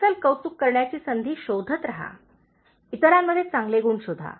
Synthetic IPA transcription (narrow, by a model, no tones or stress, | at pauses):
əlkəwt͡s̪ukːəɾɳjat͡ɕiːsənd̪ʱiːɕod̪ʱət̪ɾaɦa̰ | it̪əɾjamːəd̪ʱːjet͡sãŋɡleɡuːɳɕod̪ʱːa̰